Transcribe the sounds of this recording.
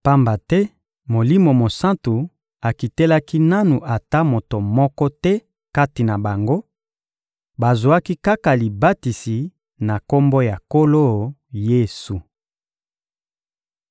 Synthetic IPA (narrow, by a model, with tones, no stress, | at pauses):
pa˦mba˨tɛ˦ | mo˨li˦mo˨mo˨sã˦ntu˨ | a˨ki˨tɛ˦la˦ki˦na˦nu˨ʔa˨ta˦mo˨to˨mɔ˦kɔ˦tɛ˦ | ka˦ti˨na˨ba˨ŋɡo˦ | ba˨zwa˦ki˦ka˦ka˨li˨ba˦ti˨si˨ | na˨ko˦mbo˦ja˨ko˦lo˦˨je˦˨su˨